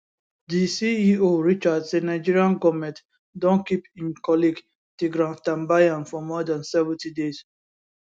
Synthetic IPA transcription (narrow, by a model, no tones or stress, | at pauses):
disiioɹit͡ʃadsenaɪd͡ʒiɹiãnɡɔmɛ̃t | dɔ̃nkipĩnkɔliɡ | teɡɹãtãmbajãnfɔmɔdãnsɛvɛ̃tidez